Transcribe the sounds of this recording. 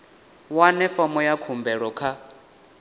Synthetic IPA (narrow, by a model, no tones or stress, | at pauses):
wanɛfɔmɔjakʰumbɛɺɔkʰa